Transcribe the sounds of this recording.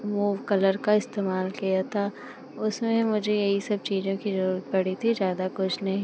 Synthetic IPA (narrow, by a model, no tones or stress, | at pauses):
muːʋkɐləɾkaɪst̪eːmaːlkijat̪ʰaː | ʊsmẽmʊd͡ʒʱejɐɦisɐb̚t͡ʃiːzõkizɐɾuːɾət̪̚pɐɽ̤it̪ʰizjaːd̪akʊt͡ʃʰnɐɦĩː